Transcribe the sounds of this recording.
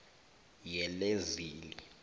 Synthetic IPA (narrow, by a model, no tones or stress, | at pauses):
jɛleziːli